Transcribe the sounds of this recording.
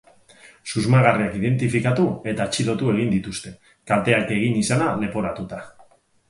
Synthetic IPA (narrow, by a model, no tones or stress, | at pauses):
suzmaɣariakið̞e̞nt̪ifikat̪ue̞t̪aet͡ʃilo̞t̪ue̞ɣ̞ind̪it̪ust̪e̞ | kalt̪e̞ake̞ɣ̞inisanale̞po̞ɾat̪ut̪a